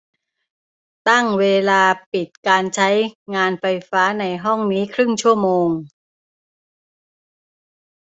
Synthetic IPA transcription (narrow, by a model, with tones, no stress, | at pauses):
t̪a˥˩ŋweː˧laː˧pi˨˩t̪̚kaː˧nt͡ɕʰa˦˥jŋaː˧nfa˧jfaː˦˥na˧jɦɔ˥˩ŋniː˦˥kʰɾɯ˥˩ŋt͡ɕʰu˥˩əmoː˧ŋ